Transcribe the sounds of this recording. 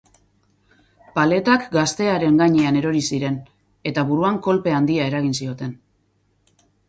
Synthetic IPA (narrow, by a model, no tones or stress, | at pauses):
pale̞t̪akɡast̪e̞aɾe̞ŋɡaɲe̞aneɾo̞ɾisiɾe̞n | e̞t̪aβuɾuaŋko̞lpe̞and̪iae̞ɾaɣ̞insio̞t̪e̞n